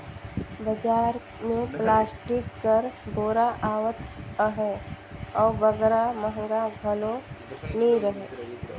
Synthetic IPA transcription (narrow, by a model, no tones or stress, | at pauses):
bəd͡ʒaːɾ | mẽplaːsʈɪkːəɾboːɾaʔaːʋət̪əɦɛ | ɔːɾʋəɡəɾaməɦəŋɡaɡʱɐloniɾəɦeː